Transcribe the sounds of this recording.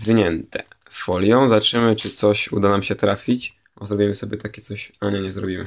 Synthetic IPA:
zvʲiɲɛnt̪ʰɛ̰ | fɔlʲjɔ̃w̃zat͡ʂɘmɘt͡ʂɘt̪sɔɕṵd̪anamɕɛt̪ɾafʲit͡ɕ | ɔzɾɔbʲimɘsɔbʲjɛt̪akʲɛt̪sɔɕaɲɛɲɛzɾɔbʲimɘ̰

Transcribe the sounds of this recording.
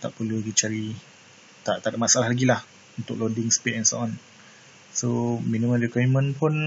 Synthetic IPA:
t̪a̰ʔpəluɡit͡ʃaɾi | t̪aʔt̪adaʔmasaalaɦlaɡilah | unt̪ʊk̚lodɪŋspeʔɛnso̰ʔɔn | sominĩmə̃ndikamə̃npʊn

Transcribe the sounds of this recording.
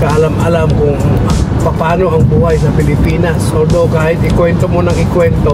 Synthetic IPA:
kaʔɐlamɐlamkʊŋɐpɐpaːno̞ʔɐŋbuːhajsɐpɪlɪpiːnasoːd̪okaːhɪt̪̚ɪkwɛnt̪omonɐŋɪkwɛnt̪o

